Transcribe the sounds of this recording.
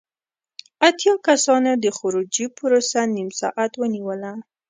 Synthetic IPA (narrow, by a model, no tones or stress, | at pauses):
at̪jɑkasɑnod̪əxʊɾud͡ʒipəɾosanimsɑ̰ʔat̪wəniwəla